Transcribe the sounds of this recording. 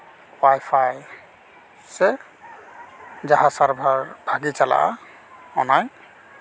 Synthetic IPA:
wajpʰaj | sɛ | d͡ʒaɦasaɹbʱaɹbʱaɡit͡ʃala̰ʔa̰ | ɔnaj

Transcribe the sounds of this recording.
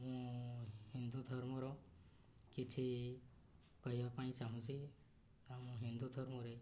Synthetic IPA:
mũhind̪ud̪ʱɔɾmɔɾõ | kit͡ʃʰi | kɔɦibapãĩt͡ʃaɦũt͡ʃʰi | amũɦind̪ud̪ʱɔɾmɔɾe

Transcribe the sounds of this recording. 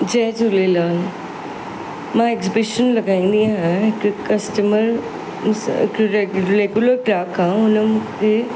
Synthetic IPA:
d͡ʒɛːd͡ʒʊlelaːl | mãːekzɪbɪʃənlɐɡaːĩnd̪iaɦɛ̃ɪkkɐsʈəməɾ | kɾɾeɡjʊləɾʈɾaːkːãʊnəmke

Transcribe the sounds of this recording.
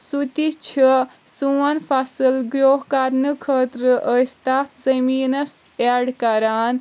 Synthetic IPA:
sut̪it͡ʃʰi | suwɐnpʰasɨlɡɾoːɦkaɾnɨkʰəːt̪ɾəʔəst̪at̪ʰzəmiːnɐsaɖkɐɾaːn

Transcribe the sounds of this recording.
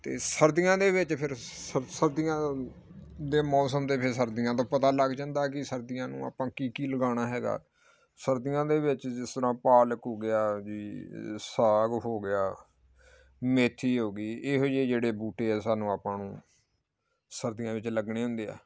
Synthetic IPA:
t̪ḛːsəɾd̪ijãːd̪eːʋɪt͡ʃpʰɪɾsəsəɾd̪ɪjãː | d̪eːmɔːsəmd̪eːpʰɪɾsəɾd̪ɪjãːt̪õːpət̪aːləɡd͡ʒãːnd̪aːkɪsəɾd̪ɪjãːnṵ̃ːa̰ːpãːkiːkiːləɡaːñaːɦɛːɡa̰ː | səɾd̪ɪjãːd̪eːʋɪt͡ʃd͡ʒɪst̪əɾãːpaːləkɦoːɡɪjaːd͡ʒiːsaːɡɦoːɡɪjaː | meːt̪ʰːiːɦoːɡiːeːɦod͡ʒeːd͡ʒeːɽeːbuːʈeːɛːsaːnũːaːpãːnũː | səɾd̪ɪjãːʋɪt͡ʃləɡɳeːɦʊ̃nd̪eːɛ̰ː

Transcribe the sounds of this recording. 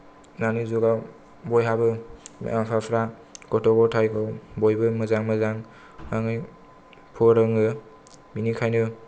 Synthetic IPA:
nanɯzuɡaw | bɔjɦabɯmapʰapʰɾa | ɡɔtɔɡɔtʰajkʰawbɔjbɯmɯzaŋmɯzaŋ | aŋɯj | pʰɔɾɯŋɯ | minikʰajnɯ

